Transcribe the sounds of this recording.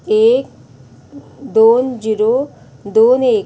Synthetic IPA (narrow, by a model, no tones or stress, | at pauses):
eːk̚ | d̪oːnd͡ʒiɾo | d̪oːneːk